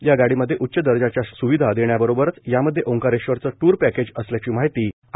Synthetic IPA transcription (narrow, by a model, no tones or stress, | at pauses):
jaɡaɽiːməd̪ʱːjeʔutːɕəd̪əɾd͡ʑat͡ɕjasuʋid̪ʱad̪eɳjabəɾobəɾət͡sjaməd̪ʱːjeʔõŋkaɾeɕʋəɾt͡səʈuːɾpæked͡ʑəsljat͡ɕiːmaɦit̪iː